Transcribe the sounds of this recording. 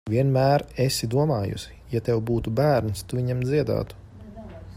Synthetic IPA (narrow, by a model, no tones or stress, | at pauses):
vʲiɛnmæːɾesid̪uɔmaːjṵs | jat̪ɛwbuːt̪ubæːɾnst̪uviɲamd̪ziɛd̪a̰ːt̪u̥